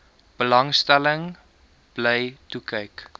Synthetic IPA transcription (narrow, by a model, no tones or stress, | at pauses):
b̥əlɐŋstæləŋ | b̥lɛjtukəjk